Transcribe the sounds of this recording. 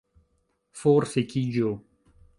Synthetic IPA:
foɾsekid͡ʒo

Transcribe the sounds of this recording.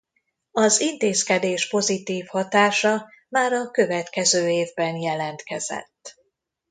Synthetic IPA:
ɒzint̪eːskɛd̪eːʃpo̞zit̪iːfhɒt̪aːʃɒ | maːɾɒkø̞vɛt̪kɛzøːeːvbɛnjɛlɛnt̪kɛzɛ̰t̪ː

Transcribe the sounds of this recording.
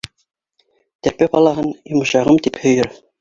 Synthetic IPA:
t̪æɾpæqɑlˠɑɦɤnjŏmɤ̆ʃɑʁɤmt̪iphɵ̆jɘɾ

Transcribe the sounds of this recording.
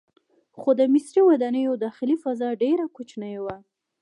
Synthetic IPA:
xod̪əmɪsɾiwad̪ɑnəjod̪ɑxɪlifazɑɖeɾakot͡ʃnəjwa

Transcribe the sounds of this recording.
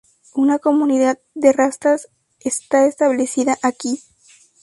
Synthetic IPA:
unako̞muniðað̚ | d̪e̞rast̪as | est̪aest̪aβle̞siðaʔaki

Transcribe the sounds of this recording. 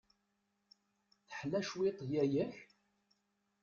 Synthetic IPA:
θəħlæʃwet̪ˤjæjæç

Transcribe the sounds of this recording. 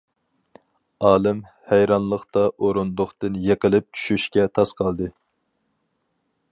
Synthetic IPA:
ɑːlˠɪm | hæjɾɑnlˠəχt̪ɑʔoɾund̪ʊχt̪ɨnjeqəlˠɪp̚t͡ʃʰy̥ʃyʃkʲɛt̪ʰɑsqʰɑlˠd̪ɨ

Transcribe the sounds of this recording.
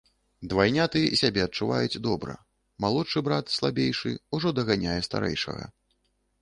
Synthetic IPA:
d̪vajnʲat̪ɨjɛisʲabʲɛɐt̚t͡ʂːuva̰jut͡sʲd̪ɔbɾɐ̰ | malˠɔtʂɨbɾat̪slˠabʲejʂɨ̰uʐɔd̪ɐɣanʲajɛst̪a̰ɾɛ̰jʂɐ̰ɣɐ̰

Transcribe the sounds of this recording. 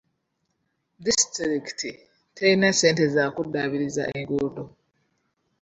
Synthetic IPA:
distɾiktʰi | tʰeinasentezakudaːβiɾiza̰ʔiŋɡuɾdo

